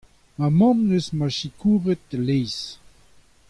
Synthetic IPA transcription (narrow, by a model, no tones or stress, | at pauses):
mamɑ̃mnøsmaʃikuːvət̪̚lejs